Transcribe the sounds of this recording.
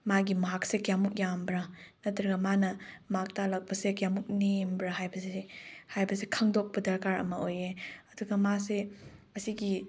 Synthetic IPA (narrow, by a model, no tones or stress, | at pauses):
maɡimɐɦak̚sekjamuk̚jambɾɐnɐtɾɐɡɐmanɐmak̚talɐk̚pɐsekjamuk̚nembɾɐɦajbɐsiehajbɐsekʰɐŋdok̚pɐdɐɾkaɾɐ̰mɐojeɐduɡɐmaseɐsiɡi